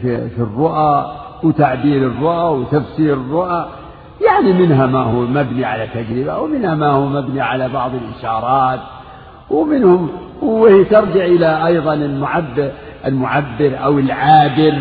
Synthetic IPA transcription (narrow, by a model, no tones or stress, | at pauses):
fifirːʊʔawt̪aʕbiːɾɪrˤːʊʔawt̪afsiːɾɪrˤːʊʔa | jaʕnimɪnɦamahuːmabniʕalat̪ːad͡ʒɾɪba̰wmɪnhamahuːmabniʕalabɑʕðˤɪlʔɪʃɑːɾˤɑːt̪ | wmɪnhʊm | wɪht̪ɑɾˤd͡ʒɪʕʔɪlaʔɑjðˤɑnɪlmʊʕabːɪ | ʔɪlmʊʕabːɪɾʔawɪlʕaːd̪ɪɾ